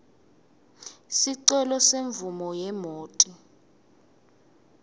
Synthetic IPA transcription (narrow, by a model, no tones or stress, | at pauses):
siǀɛlɔseɱvumɔjɛmoːtʼi